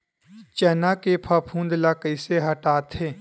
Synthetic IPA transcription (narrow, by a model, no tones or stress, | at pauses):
t͡ʃɛːnakepʰapʰũːnd̪lakəɪseɦəʈaːt̪ʰeː